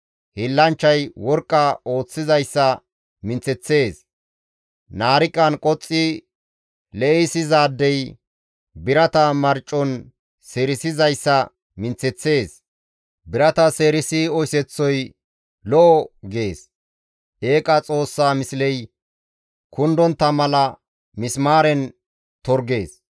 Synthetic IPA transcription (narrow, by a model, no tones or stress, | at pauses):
hɪlːɐnt͡ʃːɐjwɔɾkʼːɐo̞ːt͡sːɪzɐjsːɐ | mɪnt͡sːɛt͡sːe̞ːs | naːɾɪkʼːɐnkʼɔt͡sʼːɪ | lɛʔɛjsɪzaːd̪ːɛj | bɪɾɐt̪ɐmɐɾt͡ʃʼːɔn | seːɾɪsɪzɐjsːɐ | mɪnt͡sːɛt͡sːe̞ːs | bɪɾɐt̪ɐseːɾɪsɪɔjsɛt͡sːɔj | lɔʔɔɡe̞ːs | ʔeːkʼɐt͡sʼo̞ːsːaːmɪslɛj | kʊnd̪ɔnt̪ːɐmɐlɐ | mɪsmaːɾɛn | t̪ɔɾɡe̞ːs